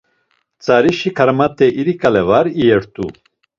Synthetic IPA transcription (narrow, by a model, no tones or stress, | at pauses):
t͡sʼaɾiʃikʰaɾmat̪ʼɛʔiɾikʼalɛvaɾiɛɾt̪ʼṵ